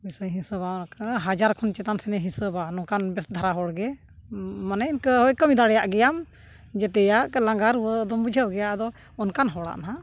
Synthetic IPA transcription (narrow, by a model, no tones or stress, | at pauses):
ujsəjɦĩsəbakəɦad͡ʒaɾkʰɔnt͡ʃɛt̪ansɛnɛɦĩsəbanɔ̃kanbɛsd̪ʱaɾaɦɔɽɡɛ | manɛinkəɦɔjkəmid̪aɽɛjaʔɡɛjam | d͡ʒɛt̪ɛjaʔlaŋɡaɾuwəd̪ɔmbud͡ʒʱəwɡɛjaʔd̪ɔ | ɔnkanɦɔɽa̰ʔnaɦa